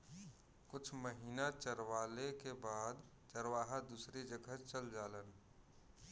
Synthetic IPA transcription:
kʊt͡ʃʰməɦiːnat͡ʃəɾwaːlekebaːd̪ | t͡ʃəɾwaːɦad̪uːsɾid͡ʒəɡʱət͡ʃəld͡ʒaːlən

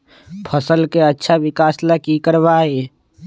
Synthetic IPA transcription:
pʰəsəlkeətːʃʰaʋɪkaːslakikəɾʋaːe

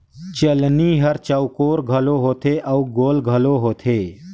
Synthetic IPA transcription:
t͡ʃəlniːɦɐɾt͡ʃɐwkoːɾɡʱəloɦoːt̪ʰeːʔɐuɡoːlɡʱɐloːɦoːt̪ʰeː

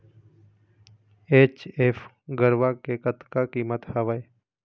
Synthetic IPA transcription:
eːt͡ʃeːf | ɡəɾʋakekət̪kakiːmət̪həʋəe

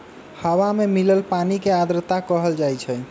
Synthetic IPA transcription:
həwamemiləlpanikead̪ɾət̪akəɦəld͡ʒajt͡ʃʰɛ

